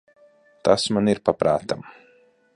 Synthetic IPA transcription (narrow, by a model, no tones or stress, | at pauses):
t̪asmaniɾpapɾa̰ːt̪am